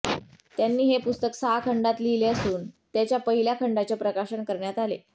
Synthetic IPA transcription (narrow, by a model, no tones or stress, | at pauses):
t̪janːiːɦepust̪əksaɦakʰəɳɖat̪lileəsuːnt̪jat͡ɕjapəɦiljakʰəɳɖat͡ɕepɾəkaɕəɳkəɾɳjat̪alḛ